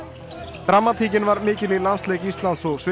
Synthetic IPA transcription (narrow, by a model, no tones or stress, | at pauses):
θɾamːat̪ʰiːcɪnvaɾmɪːcɪlilansleːjcist̪lant̪sɔɣsvɪ